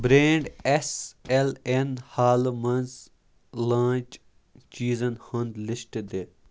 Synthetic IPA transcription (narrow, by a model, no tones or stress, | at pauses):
bɾeːɳɖeselenhaːlmɐnz | lãːt͡ʃ | t͡ʃiːzɐnhɐnd̪lɪsʈd̪e